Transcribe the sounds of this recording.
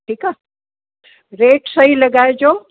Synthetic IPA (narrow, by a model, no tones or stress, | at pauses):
ʈʰiːka | ɾeːʈsɐɦilɐɡaːed͡ʑoː